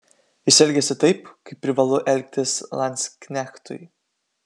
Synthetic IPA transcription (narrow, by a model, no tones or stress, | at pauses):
ɪsʲɛlʲɡʲɛsʲɪt̪ɐɪpkɐɪpʲːɾʲɪʋɐlˠʊʔɛlʲk̚ʲt̪ʲɪslˠɐnʲsʲkʲnʲæxt̪ʊ̰ɪ